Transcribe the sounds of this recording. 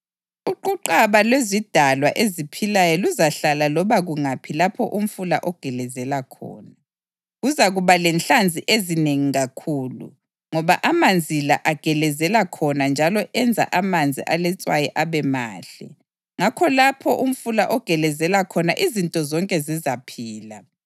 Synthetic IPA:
uǃuǃaβalwezid̥ʱalwaʔezipʰilajɔluzaɬalalɔβaɣuŋapʰilapʰɔʔum̩fulaʔɔɡ̥ʱɛlɛzɛlakʰɔ̰ːna | ɣuzaɣuβalɛnt͡ɬand͡zʱiʔezineŋiɣakʰuːlṵ | ŋɔβa̰ʔamand͡zʱila̰ʔaɡ̥ʱɛlɛzɛlakʰɔnand͡ʒʱalɔʔɛnd͡zʱa̰ʔamand͡zʱḭʔalɛt͡sʼwajɛʔaβɛma̰ːɬɛ̰ | ŋakʰɔlapʰɔʔum̩fulaʔɔɡ̥ʱɛlɛzɛlakʰɔnaʔizintʼɔzɔŋkʼɛzizapʰiːla

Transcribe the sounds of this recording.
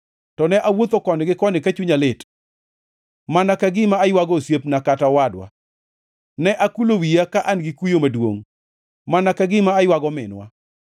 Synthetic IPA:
tɔnɛʔawot̪okɔnɪɡɪkɔnɪkat͡ʃuɲalɪt | manakaɡɪmaːjwaɡɔsjepnakatawadwa̰ | nɛʔakulowijakaʔanɡɪkujomadwo̰ŋ | manakaɡɪmaːjwaɡɔmɪ̰nwa̰

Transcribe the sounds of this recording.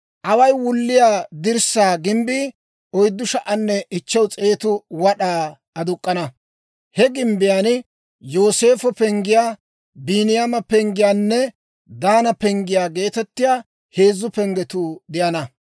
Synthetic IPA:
ʔɐwɐjwʊlːɪjaːd̪ɪɾsaːɡɪmbiː | ɔjd̪ːʊʃɐʔɐnːɛʔɪt͡ʃːɐwt͡sʼe̞ːt̪ʊwɐɗaː | ɐd̪ʊkʼːɐnɐ | hɛɡɪmbɪjaːn | jo̞ːse̞ːfɔpɛŋɡɪjaː | biːnɪjamɐpɛŋɡɪjaːnːɛ | d̪aːnɐpɛŋɡɪjaːɡe̞ːt̪ɛt̪ːɪjaː | he̞ːzːʊpɛŋɡɛt̪ʊd̪ɪjɐnɐ

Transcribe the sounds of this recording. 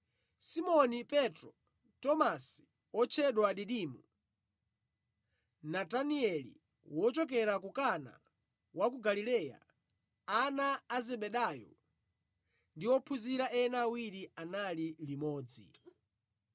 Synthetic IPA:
simɔnipɛtɾɔ | tɔmasi̥ | wɔt͡ʃʰɛɗwaɗiɗimu | nataniɛlḭ | wɔt͡ʃɔk̬ɛɾak̬ukana̰ | wak̬uɡalilɛːja̰ | anaːzɛɓɛɗaːjɔ̰ | ndiwɔpʰuziɾaʔɛnaːwiɾianalilimɔːd͡zḭ

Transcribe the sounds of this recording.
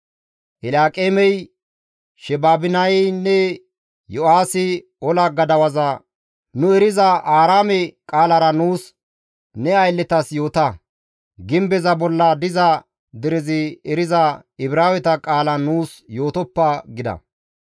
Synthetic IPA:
ʔɪlaːkʼeːmɛj | ʃɛbaːbɪnɐjnːɛ | jɔaːsɪ | ɔlɐɡɐd̪ɐwɐzɐ | nʊɛɾɪzɐʔaːɾaːmɛkʼaːlɐɾɐnuːs | nɛɐjlːɛt̪ɐsjo̞ːt̪ɐ | ɡɪmbɛzɐbɔlːɐd̪ɪzɐ | d̪ɪɾɪzɪɛɾɪzɐɪbɾaːwɛt̪ɐkʼaːlɐnuːsjo̞ːt̪ɔpːɐɡɪd̪ɐ̰

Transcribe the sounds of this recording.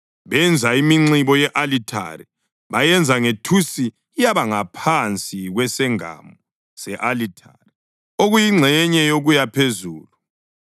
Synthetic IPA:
βɛnd͡zʱaimiŋ͡ǀiβɔjɛʔalitʰa̰ri | βajɛnd͡zʱaŋetʰusiː | jaβaŋapʰant͡sʼiɣwɛsɛŋa̰mu | sɛʔalitʰari | oɣujiŋ͡ǁʱɛɲɛjoɣujapʰezuːlu

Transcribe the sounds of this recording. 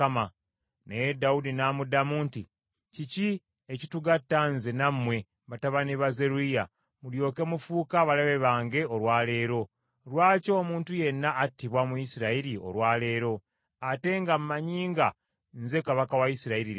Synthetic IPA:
ama | nejedaudinaːmudamuːnti | cici | ecituɡatːanzenamːwe̞ | βataβaneβaze̞ɾuija | muljo̞ːke̞mufuːkaβalaβe̞βaːŋɡe̞o̞ɾwaːle̞ːɾo̞ | ɾwaːco̞ːmuːntuje̞nːaʔːtːiβwamuisiɾaiɾio̞̰lwaːle̞ːɾo̞ | ate̞ŋɡamumaɲiːŋɡa | nze̞kaβakawaisiɾaiɾiɾ

